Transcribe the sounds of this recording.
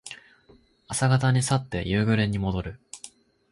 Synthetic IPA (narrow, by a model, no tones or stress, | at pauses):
asaɡat̪aɲ̟isat̪ːe̞̰jɯːɡɯ̟ɾẽ̞ɲ̟ːimo̞d̪o̞ɾɯ̟